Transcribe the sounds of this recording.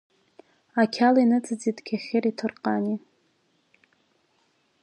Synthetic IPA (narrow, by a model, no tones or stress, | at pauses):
akʲʰalinɨt͡sʼɨd͡zitkʲʰaχʲɪritʰɨrqʼani